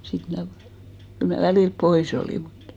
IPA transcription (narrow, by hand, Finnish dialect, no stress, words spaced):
sit mnæˑ kyl mæ ʋæliˑlp pois oliˑ mutːɑ̥